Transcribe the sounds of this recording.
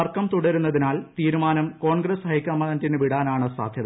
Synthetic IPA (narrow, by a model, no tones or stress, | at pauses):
ɐrkɐmt̪uɽɐɾun̪ːɐðinaːlt̪iːɾumaːnɐmko̞ːɳɡrɐshɐjkːɐmɐnɐntinɨʋiɽaːnaːɳɨsa̰ːd̪ʱjɐðɐ